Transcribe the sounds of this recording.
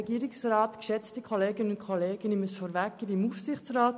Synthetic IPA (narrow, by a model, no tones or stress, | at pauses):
ɛɡiəɾɪksrɑːtkʃɛt͡stikʰoleːɡənəʊntkχoleːɡ̥əniməsfɔːɾvækːibimufsɪχt͡srɑːt